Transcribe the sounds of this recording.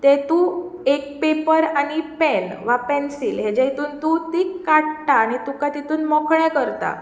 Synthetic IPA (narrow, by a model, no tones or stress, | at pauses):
t̪ɛt̪u | ek̚pepəɾaɽ̃ipɛnʋapɛnsiːlɦed͡ʑɛit̪uːnt̪ut̪ikaɽʈaːɽ̃it̪ukat̪it̪uːnmɔkʰɭɛ̃kəɾt̪a̰